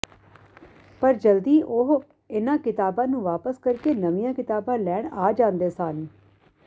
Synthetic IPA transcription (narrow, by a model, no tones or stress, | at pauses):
pəɾd͡ʒəld̪iːʔoɦ | ɪnãːkɪt̪aːbãːnũːʋaːpəskəɾkeːnəʋĩjãːkɪt̪aːbãːlɛːɳaːd͡ʒãːnd̪eːsaːn